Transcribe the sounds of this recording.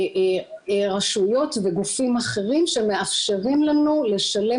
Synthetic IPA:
ʁaʃujo̞tveɡufimaχe̞ʁimʃe̞me̞afʃeʁimlanule̞ʃale̞

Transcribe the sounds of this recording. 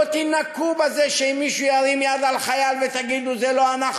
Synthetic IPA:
t̪inakubazeʃeimːiʃujaɾimjad̪alχajalvet̪aɡid̪uzeloanaχ

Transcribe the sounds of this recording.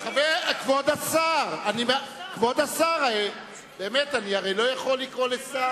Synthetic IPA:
eχavekvod̪asaʁanimakvod̪asaʁae | b̥e̞ːmetaniaʁe̞jlo̞jaχo̞lːikʁo̞lesa

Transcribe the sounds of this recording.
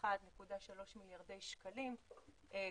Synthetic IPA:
adnekudaʃalo̞ʃmiljaʁde̞jʃkalim | ʔe

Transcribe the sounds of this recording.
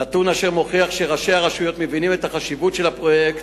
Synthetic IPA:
at̪unaʃe̞ʁmo̞χiaχʃeʁaʃe̞aʁaʃujo̞t̪mevinime̞t̪aχaʃivutʃelapʁo̞jekt̪

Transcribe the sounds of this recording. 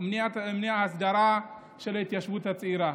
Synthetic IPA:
mnijatamniahas̬daɾa | ʃalatijaʃbutat͡sʼiɾa

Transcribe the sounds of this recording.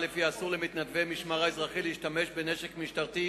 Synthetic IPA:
lefiasuʁlemit̪nadvemiʃmaʁaezʁaχileiʃtamɛʃbenɛʃekmiʃtaʁt̪i

